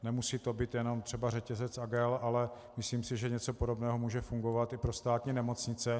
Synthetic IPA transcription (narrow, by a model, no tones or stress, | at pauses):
nɛmusiːt̪o̞biːt̪jɛno̞mt̪r̥ɛbarɛcɛzɛt͡saɡɛlalɛ | mɪsliːmsɪʒɛɲɛt͡so̞podobnɛːɦomuːʒɛfuŋɡo̞vat̪ɪpɾost̪aːt̪ɲiːnɛmo̞t͡sɲɪt͡sɛ